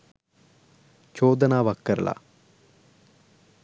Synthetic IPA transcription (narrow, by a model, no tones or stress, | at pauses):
t͡ʃoːd̪ɐnaːʋɐkːɐɾla̰